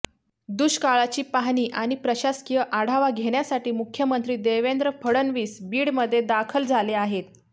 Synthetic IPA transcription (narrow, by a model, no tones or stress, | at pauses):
d̪uɕkaɭat͡ɕiːpaɦniːʔaɽ̃ipɾəɕaskijəʔaɽ̤aʋaɡʱeɽjasaʈiːmukʰjəmənt̪ɾiːd̪eʋend̪ɾəfʰəɽənʋiːsbiːɽməd̪ʱːjed̪akʰəld͡zʱaleaɦet̪̚